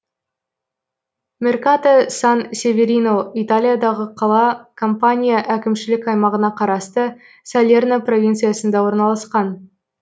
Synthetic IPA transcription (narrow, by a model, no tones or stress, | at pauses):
mʲe̞rkat̪asansʲe̞vʲe̞ɾʲinoit̪alʲijad̪ɑʁəqʰɑlˠɑkʰompanʲijaʔækʲɪmʃɪlɪkʲɑjmɑʁənɑqʰɑɾɑst̪ə | salʲernapro̞vʲint̪sɨjasənd̪ɑwo̞ɾnɑlˠɑsqɑn